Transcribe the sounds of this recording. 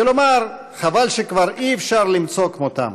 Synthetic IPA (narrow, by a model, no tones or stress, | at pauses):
elomaʁ | χavalʃekvaʁiːfʃaʁlimt͡so̞kmot̪a̰m